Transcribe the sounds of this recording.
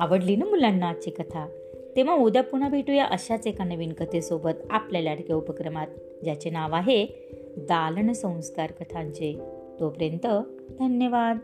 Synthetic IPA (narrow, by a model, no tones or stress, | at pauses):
aʋəɽlinəmulanːat͡ɕikət̪ʰa | t̪eʋãud̪apuɳ̃abʱeʈujaʔəɕat͡sekanəʋinkət̪esobət̪aplaljaʈkeupəkɾəmat̪̚ | d͡ʑat͡ɕenaʋaɦe | d̪aləɳsə̃w̃skaɾkət̪ʰãɲt͡ɕe | t̪opəɾjənt̪ə | d̪ʱənjəʋad̪